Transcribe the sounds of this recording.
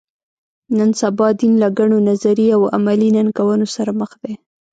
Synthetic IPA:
nansabɑd̪inlaɡaɳonazaɾiawa̰malinankawənosaɾaməxd̪e

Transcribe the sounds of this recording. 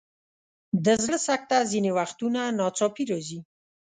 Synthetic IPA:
d̪əzɽəsak̚t̪azinewaxt̪unanɑt͡sɑpiɾɑzi

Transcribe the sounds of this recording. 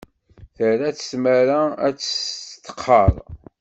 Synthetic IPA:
θəɾæt͡sə̥smæɾaæ̰t͡sːt̪ːə̥qʰːəɾˤ

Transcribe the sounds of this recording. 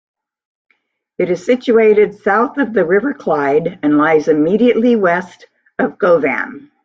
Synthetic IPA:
ɨɾɨz̥sɪt͡ʃʉeɪɾɨd̥saʊθʌvðɨɹɪvə˞kʰl̥aɪɾɨ̃nlaɪzɨmiɾiɨʔˡliwɛst | ʌvɡoʊvæ̰̃m

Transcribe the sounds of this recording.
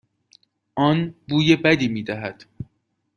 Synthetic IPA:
ʔɒːnbuːjebæd̪iːmiːd̪æɦæd̪̥

